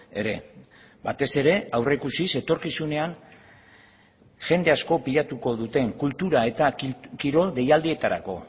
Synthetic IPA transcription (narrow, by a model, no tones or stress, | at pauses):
e̞ɾe̞ | bat̪e̞se̞ɾe̞awre̞kusise̞t̪o̞ɾkisune̞an | ʝe̞nd̪e̞asko̞piʎat̪uko̞ðut̪e̞ŋkult̪uɾae̞t̪akiɾo̞ðe̞jald̪ie̞t̪aɾa̰ko̞